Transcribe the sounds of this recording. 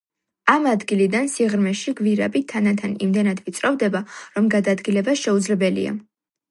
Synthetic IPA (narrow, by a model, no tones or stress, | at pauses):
amad̪ɡilid̪ansiʁɾmɛʃiɡviɾabit̪ʰanat̪ʰanimd̪ɛnad̪vit̪sʼɾɔvd̪ɛbaɾɔmɡad̪ad̪ɡilɛbasʃɛud̪zlɛbɛlḭa̰